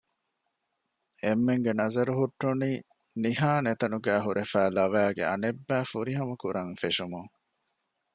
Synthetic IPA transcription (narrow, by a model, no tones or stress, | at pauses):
emːeŋɡenɐzɐɾuɦuʈːuniː | niɦaːnet̪ɐnuɡæːɦuɾʔefæːlɐʋæːɡḛɐ̰nebːæːfuɾiɦɐmɐkuɾɐŋfeʃumuŋ